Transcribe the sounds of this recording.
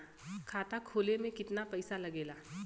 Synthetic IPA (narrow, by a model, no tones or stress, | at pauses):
kʰaːt̪akʰoːlemẽkɪt̪napɐɪsalɐɡeːlaː